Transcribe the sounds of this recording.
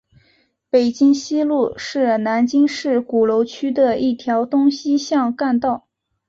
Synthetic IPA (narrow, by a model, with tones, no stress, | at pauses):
pe˨˩ɪt͡ɕi˥ŋɕi˥lu˥˧ʂɻ̩˥˩na˧˥nt͡ɕi˥ŋʂɻ̩˥˩ku˨˩lo˧˥ʊt͡ɕʰy˥d̪ə˨i˥˩t̪ʰjɑ˧˥ʊt̪ʊ˥ŋɕi˥ɕjɑ˥˧ŋka˥˧nt̪ɑ˥˩ʊ